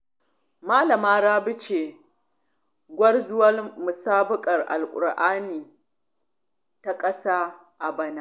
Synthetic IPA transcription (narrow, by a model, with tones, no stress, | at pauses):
maː˦lɐ˨maː˦ɽaː˦bɪ˦t͡ʃeː˨ | ɡʷɐ˦rzʊ˦wɐ˦lmʊ˨saː˦bʊ˦kʼɐ˨rʔa̰˨lkʷʼʊ̰˨ɾʔaː˦niː˨ | ta˦kʼɐ˦saː˦ | ʔa˨bɐ˦na˦˨